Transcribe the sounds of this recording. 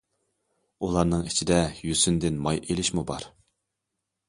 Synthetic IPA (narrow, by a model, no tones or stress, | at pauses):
ulˠɑɾnɨŋit͡ʃʰid̪ɛjysynd̪ɪnmɑjʔelɪʃmubɑɾ